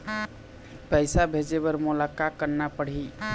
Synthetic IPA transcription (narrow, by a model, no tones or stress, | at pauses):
pəjsabʱed͡ʒebəɾmulakakːəɾnapəɽ̤i